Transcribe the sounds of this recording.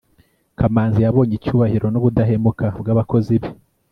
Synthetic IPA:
kamaːnzijaβo̞ːɲicuːβahiɾo̞noβudaɦe̞mukabɡaːβako̞ziβi

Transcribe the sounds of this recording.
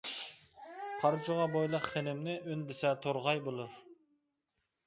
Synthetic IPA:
qʰɑɾt͡ʃʰʊʁɑbojlˠəqχenɪmnɪʔynd̪ɪsɛt̪ʰoɾʁɑjbolˠuɾ

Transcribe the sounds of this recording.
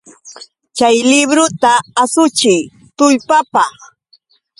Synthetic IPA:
t͡ʃajlɪbɾʊt̪aːsʊt͡ʃɪj | t̪ʊʎpapɑχ

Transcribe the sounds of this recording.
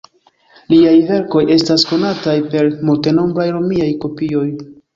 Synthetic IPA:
liajve̞ɾko̞je̞stasko̞natajpe̞ɾmulte̞no̞mbɾajɾomiajko̞pio̞j

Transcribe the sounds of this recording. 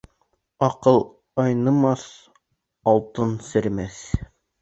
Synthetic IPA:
ɑqɤlˠ | ɑjnɤ̆mɑs | ɒlˠt̪ɤnsɘ̆ɾmæθ

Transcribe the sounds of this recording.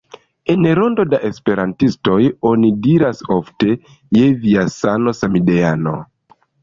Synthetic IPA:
e̞nɾo̞ndo̞daʔe̞spe̞ɾantisto̞jo̞nidiɾasofte̞ | jeviasano̞samideano̞̰

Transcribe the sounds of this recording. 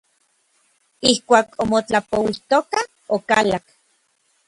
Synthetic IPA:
ihkʷaːkomot͡ɬapowiht̪oka | okalak

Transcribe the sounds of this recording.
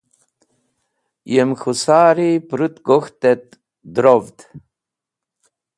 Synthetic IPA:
jemxusaːɾipɾut̪ɡoxt̪ɛt̪̚ | d̪ɾovd̪

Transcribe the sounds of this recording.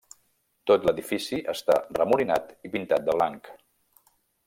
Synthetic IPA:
t̪ot̪ləðifisiʔəst̪a̰rəmuɾina̰t̪ipint̪at̪̚d̪əβlaŋk

